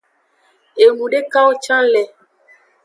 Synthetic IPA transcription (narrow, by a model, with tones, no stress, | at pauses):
e˨ŋu˨ɖe˦kã˦wo˦t͡ʃã˦lɛ˨